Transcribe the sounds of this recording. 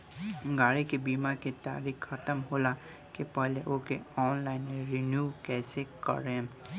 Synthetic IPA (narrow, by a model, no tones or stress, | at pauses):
ɡaːɽikebiːmaket̪a̰ːɾiːkxɐt̪əmɦoːla | kepɛɦleʔokeɔːnlaːɪnmeɾɪnjuːkɛːsekə̰ɾẽː